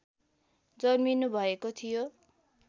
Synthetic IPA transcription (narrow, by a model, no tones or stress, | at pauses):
d͡zʌminubʱʌekot̪ʰijo